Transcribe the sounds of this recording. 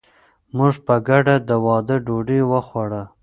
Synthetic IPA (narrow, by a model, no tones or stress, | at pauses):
muʐpəɡaɖad̪əwɑd̪əɖoɖiwəxwaɽə